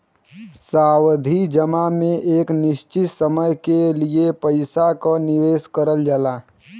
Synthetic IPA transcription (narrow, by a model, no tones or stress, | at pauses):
saːwd̪ʱid͡ʒəmamẽʔeːknɪʃt͡ʃɪt̪səməjkeliepəɪsakonɪʋeːskəɾəld͡ʒalaː